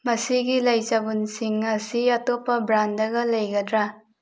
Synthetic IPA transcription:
mɐsiɡilɐjt͡ʃabunsiŋɐsiɐtopɐbɾandɐɡɐlɐjɡɐdɾa

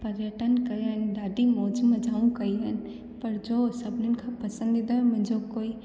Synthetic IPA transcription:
pɐɾjəʈənkɐjɦənɖaːɖimoːd͡ʒmẽd͡ʒaːũkɐiɦən̆ | pɐɾd͡ʒosɐbʱnənkʰãpɐsə̃nd̪ɪd̪aɦɛ̃mʊ̃ɦɪ̃nd͡ʒokoːi

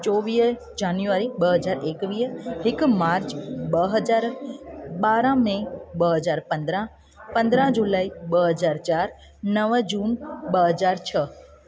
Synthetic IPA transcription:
t͡ɕɔːʋiːɦ | d͡ʒaːnjuʋaːɾiɓɐɦɐzaːɾeːkʋiːɦhɪkmaːɾt͡ɕɓɐɦɐzaːɾ | ɓaːɾãmẽɓəɦɐzaːɾpɐ̃nd̪ɾə̃ | pɐ̃nd̪ɾə̃ɦd͡ʑulaːiɓəɦɐzaːɾt͡ʃaːɾ | nɐʋd͡ʑuːnɓɐɦɐzaːɾt͡ɕʰə

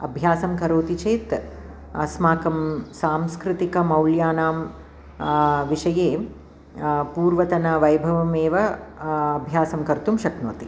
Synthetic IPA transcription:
ɐ̰bʱjaːsɐmkɐɾoːt̪it͡ʃeːt̪ | ɐsmaːkɐmsaːmskɾɪt̪ikɐmɐwljaːnaːm | ʋiʂɐjeː | puːɾʋɐt̪ɐnɐʋɐjbʱɐʋɐmeːʋɐɐbʱjaːsɐmkɐɾt̪umʃɐkno̰ːt̪i

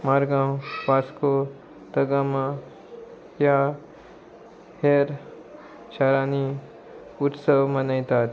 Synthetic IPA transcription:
maɾɡãwpasko | t̪əɡamã | ja | heɾ | ɕaɾani | ut̪səʋmənajt̪at̪

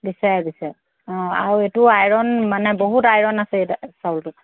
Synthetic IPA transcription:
bisajbisaj | ɔ̃aɹuetʊajɹɔnmanɛboɦutajɹɔnasɛsawltʊ

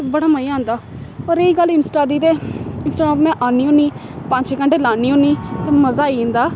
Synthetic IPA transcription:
bəɽaːməjãːnd̪aː | ɔːɾeiːɡəlɪnsʈaːd̪iːt̪eːɪnsʈaːɡãːpmɛ̃ːʔaːniːõːniː | pə̃ɲt͡ʃekəɳʈeːlaːniːɦõːniːt̪eːməzaːiːĩːnd̪aː

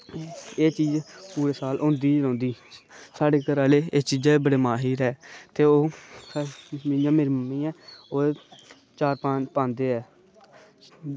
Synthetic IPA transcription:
eːt͡ʃiːd͡ʒpuːɾeːsaːlʔʊ̃ːnd̪iːd͡ʒlõːnd̪iːsaːɖeːkəɾaːleːeːt͡ʃiːd͡ʒɛbəɽeːmaːɦiːɾɛːt̪eːoː | mɪ̃jãːmeɾməmːiːɛːoːe | t͡ʃaːɾpãːt͡ʃpãːnd̪eːɛː

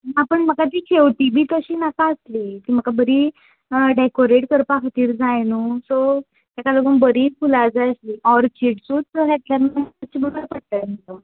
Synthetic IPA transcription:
napəɳm̤əkat̪iːkʰeʋʈibʱiːt̪əɕiːnakaəsliːt̪iːm̤əkabəɾiː | ɖekoɾeʈkəɾpakʰat̪iːɾd͡zajnuso | t̪jakaloɡənbəɾiːpʰulad͡zajəsliːʔɔɾt͡ɕeʈsuːt̪̚təɦɛt̪ljaɾmaət͡ɕiːbəɽəɾpəɽt̪əmit̪əm

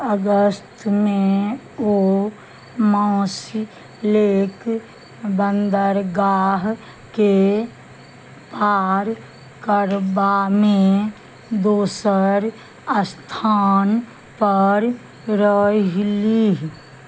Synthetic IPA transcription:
əɡəst̪ʰmẽ | o | mãːs | leːk | bənd̪əɾɡaːɦ | ke | paːɾ | kəɾbamẽ | d̪oːsəɾ | əst̪ʰaːn | pəɾ | ɾəɦliɦ

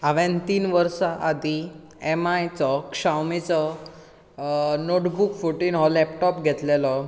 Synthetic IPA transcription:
aʋɛ̃nt̪iːnʋəɾsaʔad̪ʱi | ɛmajt͡sɔkʂawmet͡sɔ | noʈbukfuʈiːnɦɔlɛpʈɔpɡʱɛt̪lelɔ

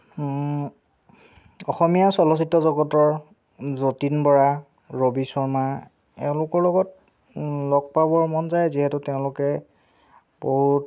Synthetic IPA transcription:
ɔxɔmijasɔlɔs̬itːɔzɔɡɔtɔɹ | zotinbɔɹa | ɹobisɔɹma | ɛ̰ʊ̃lʊkɔɹlɔɡɔt̚ | lɔɡ̚pabɔɹmɔnzajziɦɛtuteʊ̃lʊkɛ | boɦut

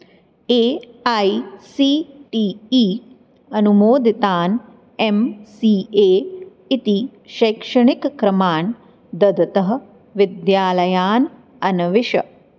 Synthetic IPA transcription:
eːɐjsiːʈiiː | ɐnumoːd̪ʱit̪aːn | emsiːeː | it̪iʃɐːkʂɐɳikkɾɐmaːn | d̪ɐd̪ɐt̪ɐɦɐ̆ | ʋid̪jaːlɐjaːn | ɐnɐʋiʃɐ̰

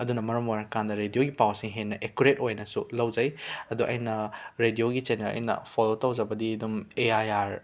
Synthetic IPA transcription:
ɐdunɐmɐɾɐmaɾɐkandɐɾedijoɡipawsiŋɦenːɐʔekuɾetojnɐsulɐwzɐjɐduʔɐ̰jnɐɾedioɡit͡ʃenelɐ̰jnɐ̰pʰolotɐwzɐbɐdidumeajaɾ

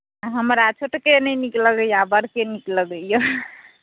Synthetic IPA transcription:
aɦəməɾat͡ʃʰoʈkenəjnikləɡəjabəɾkenikləɡəjo

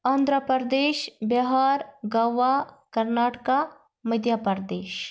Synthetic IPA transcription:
aːnd̪ʱɾəpəɾd̪eːʃbɐɦaːɾɡɐʋakɐɾnaːʈka | məd̪ʱjapɐɾd̪eːʃ

